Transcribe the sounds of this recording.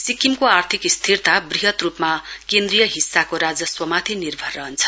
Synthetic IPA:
sikʰːimkoart̪ʰikst̪ʰirt̪abriɦʌt̪rupmakend̪rijʌɦisːakoɾad͡zʌswʌmat̪ʰinirbʱʌrːʌɦʌnt͡sʰʌ̥

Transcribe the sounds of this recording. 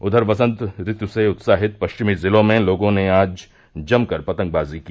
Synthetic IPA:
ʊd̪ʱəɾʋɐsə̃nt̪ɾɪt̪juseʊt̪saːɦɪt̪̚pɐʃt͡ʃɪmizɪlõmẽloːɡõneaːd͡ʒ | d͡ʒɐmkɐɾpɐt̪ə̃ŋɡ̚baːziki

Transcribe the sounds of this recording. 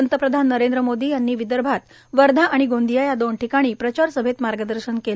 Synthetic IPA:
ənt̪əpɾəd̪ʱanːəɾend̪ɾəmod̪iːjanːiːʋid̪əɾbʱat̪ | ʋəɾd̪ʱãʔaɽ̃iɡond̪ijajad̪oɳʈikaɽ̃iːpɾət͡ɕaɾsəbʱet̪maɾɡəd̪əɾɕənkel

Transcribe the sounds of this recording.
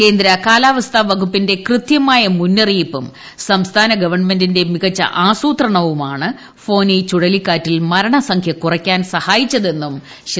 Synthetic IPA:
ke̞ːnd̪ɾɐkaːlaːʋɐst̪ʰaʋɐɡupːinde̞krɨt̪jɐmaːjɐmunːɐrijipːum | sɐmst̪ʰaːnɐɡɐʋɐrɳmendinde̞miɣɐt͡ɕːɐ̰ʔaːsuːt̪rɐɳɐʋumaːɳɨ | fo̞ːnit͡ɕuɽɐlikːaːtːilmɐɾɐɳɐsɐŋkʰjɐkurɐkʲːaːnsɐhaːjit͡ɕːɐðe̞nːum | ɕ

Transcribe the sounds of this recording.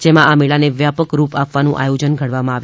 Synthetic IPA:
d͡ʒemãʔameɭaneʋjapəkɾupapʋanũʔa̰jod͡ʒənɡʱəɽʋamãaʋj

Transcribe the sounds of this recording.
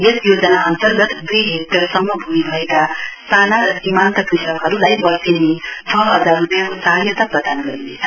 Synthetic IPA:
jesjod͡zʌnaʌnt̪ʌrɡʌt̪d̪ujɦek̚ʈʌrsʌmːʌbʱumibʱʌekast̪ʰanaɾʌsimant̪ʌkrisʌkɦʌɾulajbʌsinetʰʌʌd̪ʱaɾupjãkosaɦjʌt̪aprʌd̪ʱanɡʌɾinḛt͡sʰʌ

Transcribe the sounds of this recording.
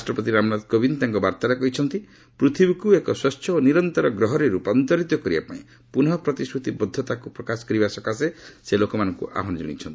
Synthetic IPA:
asʈɾɔpɔt̪iɾamɔnad̪kobint̪aŋkɔbaɾt̪aɾekɔɦit͡ʃʰɔnt̪i | pɾut̪ʰibikuekɔswast̪ʰjɔoniɾɔnt̪ɔɾɔɡɾɔɦɔɾiɾupɔnt̪ɔɾit̪ɔkɔɾiba̰paĩ | punɔɔpɾɔt̪iskʰɾut̪ibɔd̪ʱːɔt̪akupɾɔkasɔ̥kɔɾibasɔkaseselokɔmanɔŋkṵʔa̰ɦɔnɔd͡ʒɔ̰ɽ̃ḭt͡ʃʰɔnt̪i̥

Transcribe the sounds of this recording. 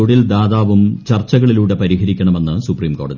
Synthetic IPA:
oɽild̪aːðaːʋumt͡ɕɐrt͡ɕːɐɣɐɭiluːɽe̞pɐɾiɦɐɾikʲːɐɳɐme̞nːɨsupriːmko̞ːɽɐði

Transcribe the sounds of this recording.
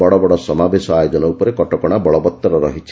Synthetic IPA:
ɔɽɔbɔɽɔsɔmabesɔajod͡ʒɔnɔupɔɾekɔʈɔkɔɽ̃abɔɭɔbɔt̪ːɔɾɔɾɔ̰ɦit͡ʃʰ

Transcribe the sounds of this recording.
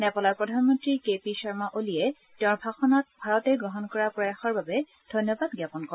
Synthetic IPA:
nɛpɔlapɹɔdʱanmɔntɹiɹkepisɔɹmaʔoliɛ | tẽãɹbʱaxɔnɔt̚bʱaɹɔtɛɡɹɔɦɔnkɔɹapɹɔjaxɔɹbabɛ | d̥ʱɔjnjɔbadɡjapɔnkɔ

